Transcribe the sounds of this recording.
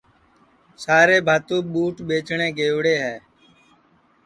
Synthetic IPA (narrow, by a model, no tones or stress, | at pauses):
saːɾeːbʱaːt̪ũːɓuːʈɓeːt͡ʃɳeːɡeːʋɽeːɦɛː